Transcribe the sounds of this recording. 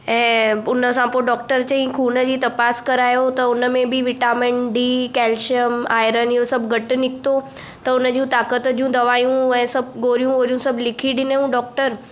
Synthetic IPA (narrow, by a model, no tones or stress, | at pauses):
ɛ̃ːʊnəsãpoɾɖɔːk̚ʈəɾt͡ɕɐĩkʰuːnəd͡ʑiːt̪ɐpaːskɐɾaːjot̪ɐʊnəmẽbɪʋɪʈaːmɪ̃ɳɖikɛːlʃəmaːɪɾəniɦosɐbʱɡʱɐʈɪ̆nɪkʰɪ̥t̪o | t̪ɐʊnəd͡ʑũt̪aːkət̪d͡ʑiũd̪ɐʋaːjũɛ̃ːsɐbɡoːɾijũɦoːɾijũsɐbʱlɪkʰiɗɪneũɖɔːk̚ʈəɾ